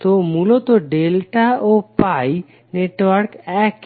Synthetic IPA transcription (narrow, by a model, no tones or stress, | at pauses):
t̪omulot̪oɖelʈaopaj | neʈwaɾkɛk